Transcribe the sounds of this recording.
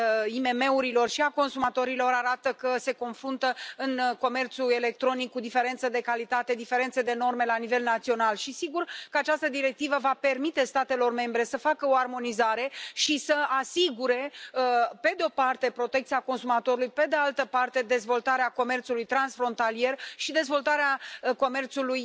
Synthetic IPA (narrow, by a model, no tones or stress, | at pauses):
ime̞me̞uɾilo̞rʃiako̞nsumat̪o̞ɾilo̞ɾaɾat̪əkəse̞ko̞nfɾunt̪əɨnko̞me̞rt̪suele̞k̚t̪ɾo̞nikːud̪ife̞ɾe̞nt̪səd̪e̞kalit̪at̪e̞d̪ife̞ɾent̪se̞d̪e̞no̞rme̞lanive̞lnat̪sio̞nalʃisiɡurkəat͡ʃast̪əd̪iɾe̞k̚t̪ivəvape̞rmit̪e̞st̪at̪e̞lo̞rme̞mbɾe̞səfakəoarmo̞nizaɾe̞ʃisəasiɡuɾe̞ | pe̞d̪eo̞part̪e̞pɾo̞t̪ek̚t̪siako̞nsumat̪o̞ɾulujpe̞d̪ealt̪əpart̪e̞d̪e̞zvo̞lt̪aɾeako̞me̞rt̪sulujt̪ɾansfɾo̞nt̪alije̞rʃid̪e̞zvo̞lt̪aɾeako̞me̞rt̪suluj